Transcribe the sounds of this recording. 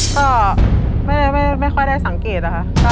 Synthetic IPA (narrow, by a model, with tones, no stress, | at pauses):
kɔː˥˩ma˥˩jda˥˩jma˥˩jma˥˩jxʰɔ˥˩jda˥˩jsa˩˦ŋkeː˨˩t̪̚la˦˧kʰa˦˥˩ʔkɔ˥˩